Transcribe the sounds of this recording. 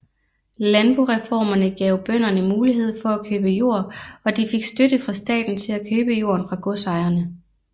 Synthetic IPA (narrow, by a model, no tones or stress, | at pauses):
lænb̥uʁɛfɒ̰ːmɐnəɡ̥ɛ̰ʊb̥œn̰ɐnəmuːliɦe̝ð̞̰ˠfɒ̽ækʰøːb̥əjo̝̰ɐ̰ɒ̽d̥ife̝ɡ̥sd̥ød̥əfʁɑ̈sd̥ɛ̰ːd̥n̩t͡sʰe̝lækʰøːb̥əjo̝ːɐnfʁɑ̈ɡ̥ɔsɑ̈ɪɐnə